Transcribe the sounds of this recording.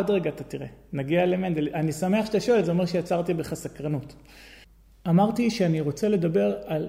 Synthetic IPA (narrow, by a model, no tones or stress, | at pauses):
odʁeɡaːt̪at̪iʁenaɡialemend̪elanisame̞aχʃt̪aʃoelzeo̞me̞ʁʃejat͡saʁt̪ibeχasakʁanut | amaʁt̪iʃeaniʁo̞t͡sele̞d̪abe̞ʁal